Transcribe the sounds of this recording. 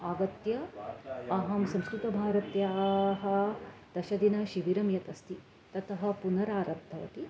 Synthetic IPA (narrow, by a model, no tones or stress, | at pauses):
aːɡɐt̪jɐ | ɐɦɐmsɐ̃mskɾut̪ɐbʱaːɾɐt̪jaːɦɐ̆d̪̥ɐʃɐd̪inɐʃiʋiɾɐmjɐt̪ɐst̪i | t̪ɐt̪ɐɦɐ̆punɐɾaːɾɐd̪ʱɐʋɐ̰t̪i